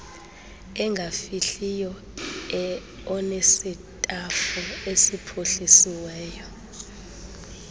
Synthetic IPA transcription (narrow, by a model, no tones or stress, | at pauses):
ɛŋɡʱafiɬijɔ | ɛ | ɔnesitʼafuesipʰoɬisiwɛːjɔ